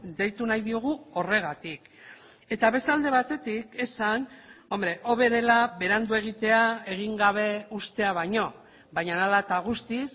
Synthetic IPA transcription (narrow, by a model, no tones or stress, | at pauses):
d̪e̞jt̪unajðioɣ̞uo̞re̞ɣat̪ik | e̞t̪aβe̞st̪ald̪e̞β̞at̪e̞t̪ike̞sano̞mbɾe̞ʔo̞βe̞ð̞e̞laβe̞ɾand̪ue̞ɣ̞it̪e̞ae̞ɣ̞iŋɡaβ̞e̞ust̪e̞aβ̞aɲo̞ | βajɲanalat̪aɣ̞ust̪is